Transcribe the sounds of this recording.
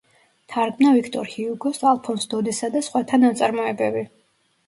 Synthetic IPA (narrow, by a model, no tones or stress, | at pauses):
t̪ʰaɾɡmnavikʰt̪ʼɔ̰ɾhiuɡɔsalˠpʰɔnsd̪ɔd̪isad̪asχwat̪ʰanːat̪sʼaɾmɔɛbɛbi